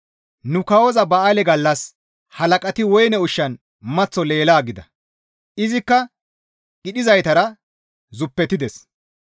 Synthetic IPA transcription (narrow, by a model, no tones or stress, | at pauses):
nʊkɐwɔzɐbɐʔalɛɡɐlːɐs | hɐlɐkʼɐt̪ɪwɔjnɛʊʃːɐn | mɐt͡sːɔle̞ːlaːɡɪd̪ɐ | ʔɪzɪkːɐ | ɡɪɗɪzɐjt̪ɐɾɐ | zʊpːɛt̪ːɪd̪ɛs